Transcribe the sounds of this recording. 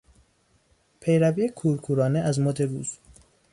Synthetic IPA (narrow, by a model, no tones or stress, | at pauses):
pʰe̞jɾæbiːekʰuːɾkʰuːɾɒːneʔæzmod̪eɾuːz̥